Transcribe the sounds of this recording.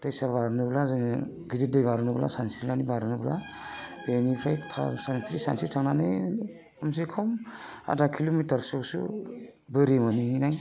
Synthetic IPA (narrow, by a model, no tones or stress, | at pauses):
tajsabaɾnɯblazɯŋ | ɡidit̚dajbaɾɯnɯbla̰sansɾilanibaɾɯnɯbla̰ | benipʰajtʰa̰sanstɾisa̰nsitʰaŋnanɯj | ams̬ikʰɔma̰dakʰilomitaɾsɔsṵbɯɾimanihinaj